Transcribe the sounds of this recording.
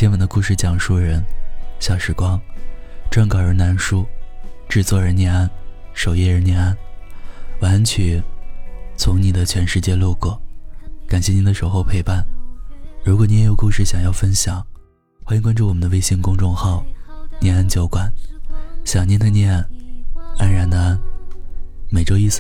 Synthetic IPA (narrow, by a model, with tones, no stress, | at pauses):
t̪ʰjɛ˥nwa˧˨˩nd̪ə˧ku˥˧ʂɻ̩˥˩t͡ɕjɑ˨˩ŋʂu˥˩ɻə˧˥nɕjɑ˨˩ʂɻ̩˧˥˩kwɑ˥ŋʈ͡ʂwa˥˩nkɑ˨˩ʊə˞˧˥na˧˥nʂu˥ʈ͡ʂɻ̩˥˧t͡swɔ˥˩ə˧˥njɛ˧˥˧na˥˩n | ʂo˨˩ʊjɛ˥˧ə˞˧˥njɛ˧na˥˩n | wa˧˥nt͡ɕʰy˨˩˦ | t͡sʰʊ˧˥ŋni˨˩d̪ə˦t͡ɕʰɥɛ˧˥nʂɻ̩˥˧t͡ɕjɛ˥˧lɔ˥˧kwɔ˥˩ka˨˩nɕjɛ˥˩ni˧˥nd̪ə˧ʂo˧˥ʊxo˥˧ʊpʰe˥˧ɪpa˥˩n | ɻu˧˥kwɔ˨˩ni˧˥n˥jo˨˩ʊkʊ˥˧ŋʂɻ̩˥˩ɕjɑ˨˩ŋjɑ˥˩ʊfə˥nɕjɑ˨˩˦ŋ | xwa˥ji˧˥ŋkwa˥nʈ͡ʂu˥˩wɔ˨˩mə˦nd̪ə˧we˥ɪɕi˥˩ŋkʊ˥ŋʈ͡ʂʊ˥˧ŋxɑ˥˩ʊnjɛ˧˥na˥nt͡ɕjo˧˥ʊkwa˨˩˦n | ɕjɑ˨˩ŋni˧˥nd̪ə˧njɛ˥˩n | a˥nɻa˧˥nnə˧a˥n | me˨˩ɪʈ͡ʂo˥ʊi˥˩s